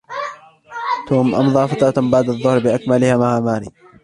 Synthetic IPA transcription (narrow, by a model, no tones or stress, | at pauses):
t̪uːmʔɑmðˤɑːfat̪ɾˤɑt̪baʕd̪ɑðˤːʊhɾbɪʔakmalɪhaːmaʕaːmaːɾḭː